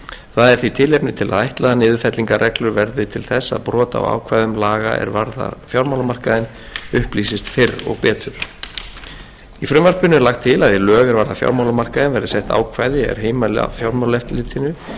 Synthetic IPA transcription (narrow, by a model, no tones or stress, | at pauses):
θaðɛɾ̥θit̪ʰɪːlejpnɪt̪ʰɪla̰ðajht̪laðanɪːðʏfɛt̪liŋkarʔɛklʏɾvɛɾðɪt̪ʰɪlθɛsːa̰ðpɾɔːt̪a̰wa̰ːwkʰvajðʏmlaːɣa̰ɛ̰ɾvaɾða̰fjawɾmawlamar̥kaðɪn | ʏhpliːsɪst̪fɪrɔ̰ɣpɛːt̪ʏɾ̥ | ifɾʏmvar̥pʏnʏlaxt̪ʰːɪlaðjɪlœːɣaɾvaɾðafja̰wɾmawlamar̥kaðɪnvɛɾðɪsɛht̪a̰ːwkʰvajðɪɛ̰ɾ̥ɦeːjmala̰fjawɾmawlɛft̪lɪt̪ʰɪnːʏ